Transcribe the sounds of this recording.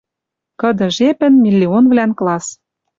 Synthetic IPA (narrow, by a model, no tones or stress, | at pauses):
kɤ̆d̪ɤ̆ʒepɘ̆nmʲilʲːionvlænklɑs